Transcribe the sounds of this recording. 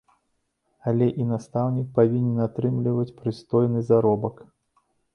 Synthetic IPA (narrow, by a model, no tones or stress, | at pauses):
alʲɛʔinast̪awnʲik̚pavʲinʲɛnat̪ɾɨmlʲivɐt͡sʲpɾɨst̪ɔjnɨzaɾɔbɐk